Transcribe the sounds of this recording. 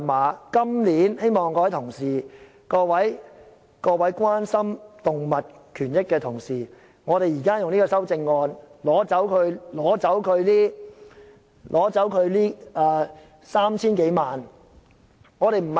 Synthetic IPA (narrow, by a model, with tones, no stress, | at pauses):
maː˨˧kɐ˥mliː˨˥nhe˥jmɔː˨˩ŋkɔː˧wɐ˨˦jt̪ʰʊ˨˩ŋsiː˨˩ | kɔː˧wɐ˨˥j | kɔː˧wɐ˨˥jkʷaː˥nsɐ˥mt̪ʊ˨ŋmɐ˨t̚kʰyː˨˩njɪ˥kːɛː˧t̪ʰʊ˨˩ŋsiː˨˩ | ŋɔː˨˧ɾe˨jiː˨˩kaː˥jʊ˨ŋliː˥kɔː˧sɐ˥wt͡sɪ˧ŋːɔː˧nlɔː˨˥t͡sɐ˨˥wkʰɵ˨˧ɥlɔː˨˥t͡sɐ˨˥wkʰɵ˨˧ɥliː˥ | lʔɔː˨˥t͡sɐ˨˥wkʰɵ˨˧ɥliː˥aː˨˧ | saː˥mt͡sʰiː˥nke˨˥jmaː˨n | ŋɔː˨˧ɾe˨jm̩˨˩